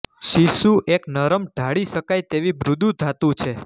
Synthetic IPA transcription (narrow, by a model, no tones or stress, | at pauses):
ʃiʃuʔeknəɾəmɖʱaɭiʃəkajt̪eʋibɾud̪ʱud̪ʱat̪ũt͡ʃʰe